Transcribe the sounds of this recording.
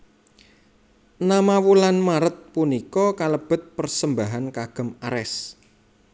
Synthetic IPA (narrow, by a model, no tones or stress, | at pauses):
namawulanmaɾət̪̚punikɔkaləb̥ə̤t̪̚pərsəmbaɦankaɡ̥ə̤maɾɛs